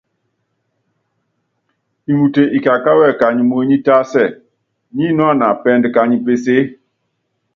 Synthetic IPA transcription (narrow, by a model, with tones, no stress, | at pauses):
i˨mu˨te˨ʔi˨ka˨ka˦wɛ˦˨ka˨ɲi˨mo˦ɲi˦ta˦sɛ˦˨ | ɲi˦nɔ˦a˦˨na˨pɛ˦ndka˨ɲi˨pe˦se˦